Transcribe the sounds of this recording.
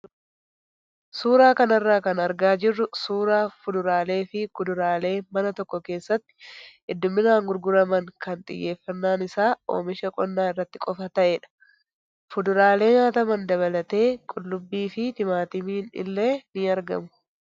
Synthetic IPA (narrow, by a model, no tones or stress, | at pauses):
suːɾaːkɐnɐrːaːkɐnɐɾɡaːd͡ʒɪrːʊsuːɾaːfʊd̪ʊɾaːle̞ːfɪkʊd̪ʊɾaːle̞ːmɐnɐt̪ɔkːɔke̞ːsːɐt̪ːɪ̥ | ɪd̪ːʊmːɪnaːŋɡʊɾɡʊɾɐmɐŋkɐnt̪ʼɪ̰jːe̞ːfːɐnːaːnɪsaːo̰ːmɪʃɐkʼɔnːaːɪrːɐt̪ːɪkʼɔfɐt̪ɐʔeːᶑɐ̥ | fʊd̪ʊɾaːle̞ːɲaːt̪ɐmɐnd̪ɐβɐlɐt̪e̞ːkʼʊlːʊbːiːfɪt̪ɪmaːt̪ɪmɪɪnɪ̰lːe̞ːnɪɐɾɡɐ̰mʊ